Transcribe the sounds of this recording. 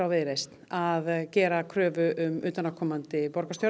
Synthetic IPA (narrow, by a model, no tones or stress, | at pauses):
awvɪðɾejst̪naðcɛːɾakʰɾœːvʏʔʏmʏːt̪anakʰɔmant̪ɪpɔɾkast̪jɔ